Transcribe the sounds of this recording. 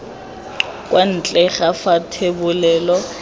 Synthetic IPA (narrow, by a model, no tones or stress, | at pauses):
kʼwʔan̩t͡ɬʼɛɣafatʰebʊlɛːlɔ